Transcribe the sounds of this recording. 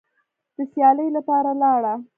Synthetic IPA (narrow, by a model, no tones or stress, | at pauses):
d̪̥əsjɑləjlapɑɾalɑɽa